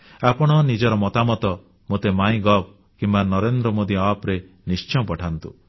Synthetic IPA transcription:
apɔɽ̃ɔnid͡ʒɔɾɔmɔt̪amɔt̪ɔ | mot̪emaĩɡɔb̚ | kimbanɔɾend̪ɾɔmod̪iapɾe | nist͡ʃɔpɔʈʰant̪ṵ

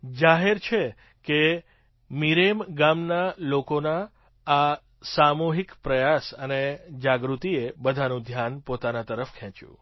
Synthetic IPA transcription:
d͡ʒaɦeɾt͡ʃʰe | ke | miɾemɡamnalokonaː | samuɦikpɾəjasəned͡ʒaɡɾut̪iebəd̪ʱanũd̪ʱjanpot̪anat̪əɾəfkʰɛ̃t͡ʃṵ̃

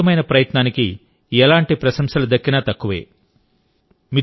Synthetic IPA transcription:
ɐmɐjnɐpɾɐjɐt̪naːniki | ɛlaːɳʈipɾɐʃɐmʂɐlud̪ɐkːinɐt̪ɐkːuʋḛː | mi

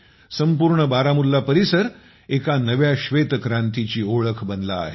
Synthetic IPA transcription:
səmpuɾɳəbaɾamulːapəɾisəɾ | ekanəʋjaɕʋet̪kɾãnt̪it͡ɕiːoɭəkʰbənla̰ːɦe

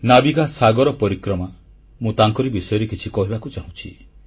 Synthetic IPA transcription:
nabiɡasaɡɔɾɔpɔɾikɾɔma | mũt̪aŋkɔɾibisɔjɔɾikit͡ʃʰikɔɦibakut͡ʃaɦũt͡ʃʰi

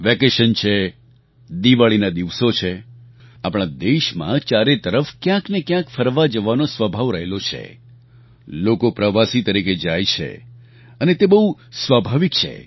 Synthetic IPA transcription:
ʋɛkeʃənt͡ʃʰe | d̪iʋaɭinad̪iʋsot͡ʃʰe | apɽ̃ad̪eʃmã̰t͡ʃaɾet̪əɾəfkjãknekjãkfəɾʋad͡ʒəʋanosʋəbʱaʋɾəɦelot͡ʃʰḛ | lokopɾəʋasit̪əɾiked͡ʒajt͡ʃʰḛ | ənet̪ebəɦusʋabʱaʋikt͡ʃʰḛ

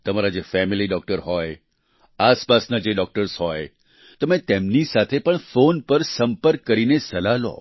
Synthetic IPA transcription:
t̪əmaɾad͡ʒefɛmiliɖɔk̚ʈəɾɦɔj | aspasnad͡ʒeɖɔk̚ʈəɾsɦɔj | t̪əmẽt̪emnisat̪ʰepəɳfonpəɾsə̃mpəɾkːəɾinesəlalo̰

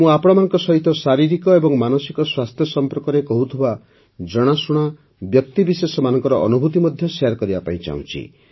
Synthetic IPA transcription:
mũapɔɽ̃ɔmanɔ̃ŋkɔsɔɦit̪ɔsaɾiɾikɔebɔŋmanɔsikɔswast̪ʰjɔsɔmpɔɾkɔɾekɔɦut̪ʰuba | d͡ʒɔɽ̃asuɽ̃a | bjɔk̚t̪ibisesɔmanɔŋkɔɾɔʔːnubʱut̪imɔd̪ʱjɔseaɾkɔɾibapaĩt͡ʃa̰ũt͡ʃʰḭ

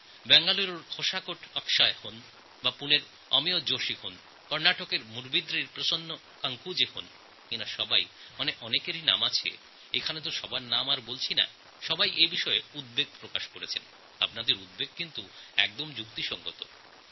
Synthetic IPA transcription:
bɛŋɡaluɾoɾkʰoʃakoʈʰɔkʃaehon | bapuneɾ | ɔ̰miod͡ʑoʃihon | kɔɾnaʈokeɾmuɾbid̪ɾiɾpɾoʃonːo | kaŋkud͡ʑehon | kinaʃɔba̰jmaneʔɔnekeɾina̰mat͡ɕʰḛ | ekʰanet̪̬oʃɔbaɾnamaɾbolt͡ɕʰina̰ | ʃɔbajʔejbiʃɔeud̪̚beɡ̚pɾokaʃkoɾet͡ɕʰḛn | a̰bnad̪eɾud̪̚beɡ̚kint̪uɛ̰k̚d̪omd͡ʑukt̪iʃɔŋɡo̰t̪o̰

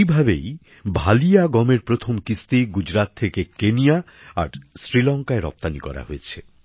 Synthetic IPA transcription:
ibʱabej | bʱalijaɡɔmeɾpɾot̪ʰomkist̪iɡud͡ʑɾat̪ʰːekekenija | a̰ɾsɾilɔŋkaeɾɔ̰p̚t̪anikɔ̰ɾa̰ɦojet͡ɕʰe

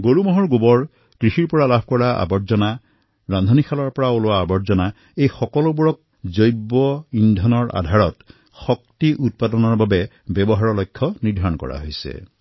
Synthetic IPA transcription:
ɡoɹumɔɦɔɹɡobɔɹ | kɹixiɹpɔɹalabʱkɔɹaa̰bɔɹzɔna | ɹand̪ʱɔnikʰalɔɹpɔɹaolowaːbɔzɔna | ejxɔkɔlobuɹɔk̚ | zojbɔindʱɔnɔɹa̰dʱaɹɔt | xɔk̚tiʔut̚padɔnɔɹbabɛ | bɛbɔɦaɹɔlɔjkʰːɔnidʱaɹɔnkɔ̰ɹa̰ɦojsɛ̰

